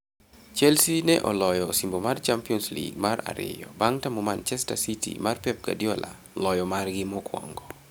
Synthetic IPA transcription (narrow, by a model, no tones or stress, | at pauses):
t͡ʃɛlsinɛʔɔlɔjɔsimbomart͡ʃampiɔnslḭɡ̚maɾa̰ɾɪ̰jɔbaŋtamɔmant͡ʃɛstasitḭmarpɛp̚ɡa̰djɔla̰ | lɔjɔmarɡɪmɔkwɔ̰ŋɡɔ